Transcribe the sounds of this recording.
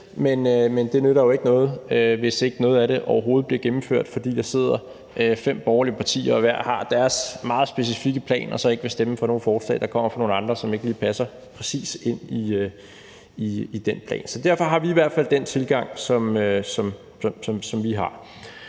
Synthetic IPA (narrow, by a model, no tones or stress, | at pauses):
menømend̥e̝nøðˠɐjo̝e̝ɡ̥ənɔ̽ːð̞̩ˠøʋe̝sd̥ee̝ɡ̥ənɔ̽ːð̞̩ˠæɾe̝ʔɒʊɐɦo̝ːð̞̩ˠbliɐɡ̥emm̩føɐ̰d̥fɒd̥ḭːd̥ɑ̈se̝ð̞̰ˠɐ | ʔøfem̰b̥ɒʊɐliəpʰɑ̈t͡sʰḭːɐɒʋæɐ̰hɑ̈d̥æɐsmɑ̈ːð̞̩ˠsb̥e̝sifiɡ̥əpʰlɛ̰ːnʔɒ̽sɒ̽e̝ɡ̥əʋe̝sd̥eməfɒ̽no̝ːn̩fɒ̥ːslɛ̰ːd̥ɑ̈kʰɒ̽m̰ɐfɒno̝ːn̩ɑ̈nd̥ʁɐsɒ̽me̝ɡ̥əliːpʰæsɐ | pʰʁɛsḭːse̝n̰iø | iid̥enpʰlɛ̰ːnsɒ̽d̥æɐfɒ̽ɦɑ̈ʋiːʋæɐd̥fæld̥en̰t͡sʰe̝lɡ̥ɑ̈ŋ̰sɒ̽møsɒ̽m | sɒ̽sɒ̽msɒ̽mʋiɦɑ̈